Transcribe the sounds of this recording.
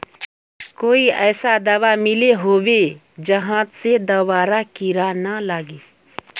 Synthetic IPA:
koːiɛːsad̪ɐʋamɪleɦoːwe | d͡ʒɐɦãːt̪sed̪ɐwaːɾakiɾanalaːɡeː

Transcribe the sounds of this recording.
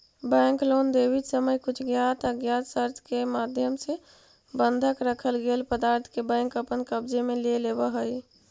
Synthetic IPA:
bɛ̃ŋklond̪ebit̪səməjkut͡ʃʰɡjat̪ʰəɡjat̪səɾt̪ʰkemad̪ʱjəmse | bənd̪ʱəkɾəkʰəlɡelpəd̪aɾt̪ʰkebɛ̃ŋkəpənkəbd͡ʒemelelebəɦəj

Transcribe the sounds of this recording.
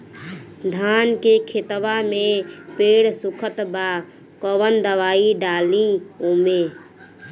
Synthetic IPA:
d̪ʱankekʰet̪ʋamepeːɽsukʰət̪ba | kɔwənd̪əʋaiɖaːlĩume

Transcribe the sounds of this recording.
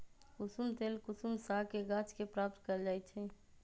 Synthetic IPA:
kʊsumt̪eːlkʊsumsakeɡãt͡ʃkepɾaːp̚t̪kəɾd͡ʒaːɛt͡ʃʰɛ

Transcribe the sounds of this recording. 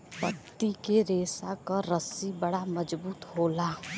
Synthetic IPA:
pət̪ːikeɾeːsakaɾəsibəɽaməd͡ʒbuːt̪ɦoːlaː

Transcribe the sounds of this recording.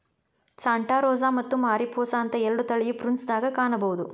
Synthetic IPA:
saːɳʈaːɾɔːzaːmɐt̪ːumaːɾipʰɔːsaːnt̪ɐɛɾɐɖut̪ɐɭijupɾinsd̪aːɡɐkaːɳɐbɐwud̪u

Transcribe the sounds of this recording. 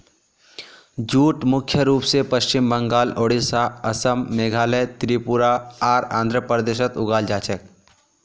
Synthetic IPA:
d͡ʒuːʈmʊkʰjəɾuːpsepɐʃt͡ʃɪmbə̃ŋɡaːloːɽisaːɐsəmːeːɡʱaːlɛt̪ɾiːpuɾaaːɾã̰ːnd̪ʱɾəpəɾd̪eːʃ̬ət̪ʊɡaːld͡ʒaːt͡ʃək̚

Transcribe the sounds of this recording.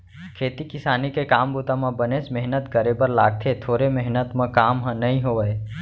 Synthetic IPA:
kʰeːt̪ikɪsaːnikekaːmbuːt̪amãbənesmɛɦnət̪kəɾebəɾlaːɡ̚t̪ʰet̪ʰoːɾemɛɦnət̪mãkaːmɦə̃nɐɦĩɦoːʋəe

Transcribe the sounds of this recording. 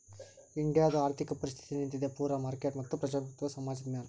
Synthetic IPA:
iɳɖɪjaːd̪ɐaːɾt̪ʰikɐpɐɾɪs̬t̪ʰi̥t̪inint̪id̪eːpuːɾaːmaːɾkeːʈmɐkt̪ːupɾɐd͡ʒaːpɐkt̪ʋɐsɐmaːd͡ʒɐd̪mjaːn

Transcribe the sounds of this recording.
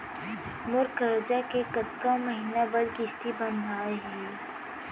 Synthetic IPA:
mʊɾkəɾd͡ʒakekɐt̪kamɐɦiːnabɐɾkɪst̪ibɐ̃nd̪ʱaːeɦɛ

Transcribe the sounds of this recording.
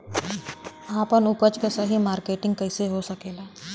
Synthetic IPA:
aːpənʊpət͡ʃkesɐɦimaːɾkeːʈɪ̃ŋɡ̚kɐɪseɦosɐkeːlaː

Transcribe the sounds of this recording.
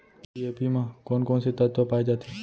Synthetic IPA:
iepimãkɔːnkɔːnset̪ət̪ʋəpaːid͡ʒaːt̪e

